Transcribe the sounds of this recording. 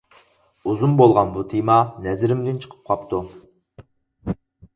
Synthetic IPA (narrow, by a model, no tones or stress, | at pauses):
uzunbolˠʁɑnbut̪ʰemɑnɛzɪɾɪmd̪ɪnt͡ʃʰə̥qʰə̥p̚qʰɑpt̪u